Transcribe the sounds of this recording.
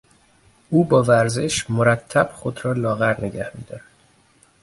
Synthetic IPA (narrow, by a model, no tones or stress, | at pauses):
ʔuːbɒːvæɾze̞ʃmoɾæt̪ʰːæb̥xod̪ɾɒːlɒːɣæɾne̞ɟæhmḭːd̪̥ɒːɾæd̪̥